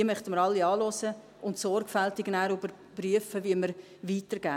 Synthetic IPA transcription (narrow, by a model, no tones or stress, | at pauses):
iəmœχtəməɾɑlːiɑːlɔsə | ʊntsɔrɡfæltɪɡnæːɾybəɾ | pryəfəviəməɾ | viːtəɾɡ̥æː